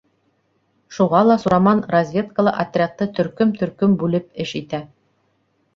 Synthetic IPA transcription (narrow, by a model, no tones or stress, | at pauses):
ʃuʁɑlˠɑsuɾɑmɑnrɐzʲvʲe̞t̪kəlˠɤ̰ʔɐt̪ʲrʲɪat̪ːɤt̪ɵ̆ɾkɵmt̪ɵ̆ɾkɵmbʉlɘp̚ɘʃit̪æ